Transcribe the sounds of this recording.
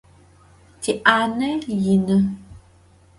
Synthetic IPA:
tiʔanəjinə

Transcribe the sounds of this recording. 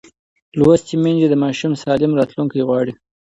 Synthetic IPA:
lwast̪imend͡ʒed̪əmɑʃumsɑlɪmɾɑt̪luŋkajɣwɑɽi

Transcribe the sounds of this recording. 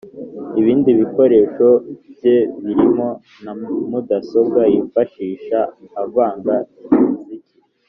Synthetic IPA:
iβiːndiβiko̞ɾe̞ːʃo̞bje̞βiɾimo̞ | namudaso̞b̚ɡajifaʃiːʃaːvaːŋɡazici

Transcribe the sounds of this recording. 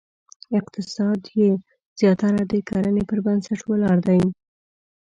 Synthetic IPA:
ɪqt̪ɪsɑd̪je | z̥jɑt̪aɾad̪əkʰaɾənepəɾbənsaʈwəlɑɾd̪aj

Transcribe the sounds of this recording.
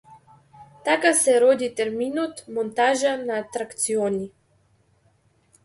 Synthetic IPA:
t̪akasɛɾɔd̪it̪ɛɾminɔt̪mɔnt̪aʒanaːt̪ɾakt̪siɔni

